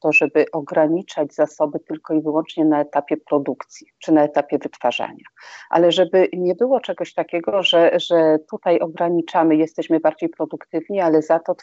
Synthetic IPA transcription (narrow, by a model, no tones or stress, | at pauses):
t̪ɔʐɛbɘʔɔɡɾaɲit͡ʂad͡ʑzasɔbɘt̪ɘlkɔivɘwɔnt͡ʂɲɛnaɛt̪apʲjɛpɾɔd̪ukt̪sʲjit͡ʂɘnaɛt̪apʲjɛvɘt̪faʐa̰ɲaʔa̰lɛʐɛbɘɲɛbɘwɔt͡ʂɛɡɔɕt̪akʲɛɡɔʐɛʐɛt̪ut̪ajɔɡɾaɲit͡ʂamɘjɛst̪ɛɕmɘbaɾd͡ʑejpɾɔd̪ukt̪ɘvɲialɛzat̪ɔt̪